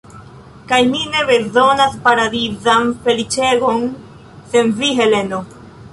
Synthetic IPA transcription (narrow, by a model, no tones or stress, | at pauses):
kajnine̞be̞zo̞naspaɾad̪izanfe̞lit͡ʃe̞ɡo̞n | se̞nviɦe̞le̞no